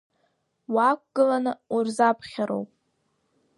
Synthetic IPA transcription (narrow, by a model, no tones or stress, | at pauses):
wak̚ʷɡ̥ɨlanɨurzapʰχʲaɾo̰wpʼ